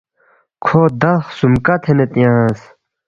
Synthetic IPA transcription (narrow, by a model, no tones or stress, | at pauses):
kʰoːd̪ɐχsumkɐt̪ʰenet̪jãs